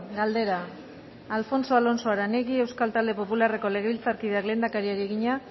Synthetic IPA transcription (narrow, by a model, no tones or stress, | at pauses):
ɡald̪e̞ɾaː | lfo̞nso̞alo̞nso̞aɾaneɣie̞wskalt̪ald̪e̞po̞pulare̞ko̞le̞ɣeβilt͡saɾkið̞e̞akle̞ːnd̪akaɾiaɾieɣiɲa